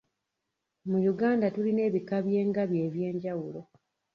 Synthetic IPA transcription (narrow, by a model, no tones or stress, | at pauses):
mujuɡaːndatuline̞ːβikaβje̞ːŋɡaβje̞ːβje̞ːɲɟawulo̞